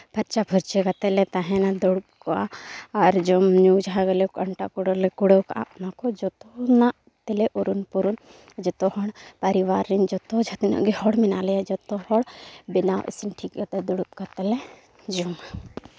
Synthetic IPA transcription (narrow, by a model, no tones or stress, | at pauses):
pɐɾt͡ʃabʱɔɾt͡ʃɛkat̪ɛlɛt̪aɦɛ̃nad̪ɔɽup̚kɔaaɾd͡ʒɔmɲud͡ʒɦaɡelɛkɐɳʈakuɽɔlɛkuɽɔkaʔa̰ʔnakɔd͡ʒɔt̪ɔna | t̪ɛlɛʔuɾunpuɾun | d͡ʒɔt̪ɔhɔɳpɐɾiwaɾːind͡ʒɔt̪ɔd͡ʒʱat̪nɔ̰ʔɡihɔɽminalɛjad͡ʒɔt̪ɔhɔɽbinawʔḭsinʈʰikjɔt̪ɛd̪uɽup̚kat̪ɛlɛ | d͡ʒɔm